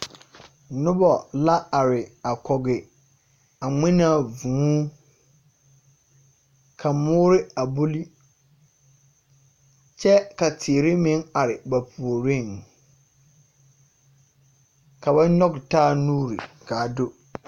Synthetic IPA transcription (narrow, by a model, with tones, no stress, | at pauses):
nʊ˦bɔ˨la˦a˨ɾɪ˨a˨kʰɔ˨ɡɪ˨ | a˨ŋ͡mɪ̃˦naː˦˨vũ˨˦ | kʰa˨mʊː˦ɾɪ˦a˨bo˦li˦ | t͡ʃɛ˦ka˨tʰɪː˨ɾɪ˦mɪ̃˦ŋa˨ɾɪ˨ba˨pʰu˨o˨ɾi˦˨ŋ | ka˨ba˦nɔ˦ɡɪ˨taː˦˨nuː˦ɾḭ˨kʰa˨do˦